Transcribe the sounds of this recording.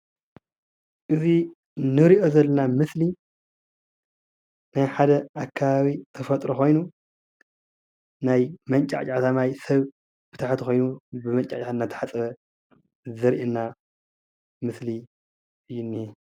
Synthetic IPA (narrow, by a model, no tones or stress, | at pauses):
ʔɨzi | nɨɾiʔo̞zɐlːɐnamɨsli | najħad̪ɐʔakʰːaβaβit̪ʰɐfɐt̪ʼɾoxo̞jnu | najmɐnt͡ʃʼa̰t͡ʃʼat̪ʰamajsɐβ | b̥ɨt̪ʰaħt̪xʰo̞jnubɨmɐnt͡ʃʼa̰at͡ʃʼat̪nːat̪ʰɐ̥ħat͡sʼɐβɐ | zɐɾʔenːa | mɨsli | ɨjːunːi